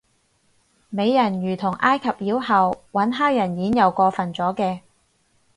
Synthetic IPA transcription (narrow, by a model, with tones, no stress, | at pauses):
me˨˧jːɐ˨˩njyː˨˩t̪ʰʊ˨˩ŋʔaː˥jkʰɐ˨p̚jiː˨˥wɦɐ˨wwɐ˨˥nɦaː˥w̚jɐ˨˩njiː˨˥njɐ˨˧wkɔː˧fɐ˨˩nt͡sɔː˨˥kɛː˧